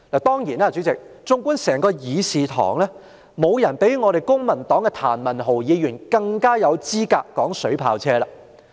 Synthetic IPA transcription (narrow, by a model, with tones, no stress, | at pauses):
laː˨˩t̪ɔː˥ŋjiː˨˩naː˧t͡ʃy˨˥t͡sɪ˨k̚t͡sʊ˧˥ŋkʷuː˥nsɛː˨˩ŋkɔː˧jiː˨˧siː˨t̪ʰɔ̰ː˨˩ŋlɛː˥ | mo˨˧wjɐ˨˩npe˨˥jŋɔː˨˧ɾe˨˩jkʊ˥ŋmɐ˨˩nt̪ɔː˨˥ŋkɛ˧t̪ʰa̰ː˨˩nmɐ˨˩nɦo˨˩wjiː˨˧jyː˨˩nkɐ˧ŋkaː˥jɐ˨˧wt͡siː˥ka̰ː˧kːɔː˨˥ŋsɵ˨˥ɥpʰa̰ː˧wt͡sʰɛː˥laː˧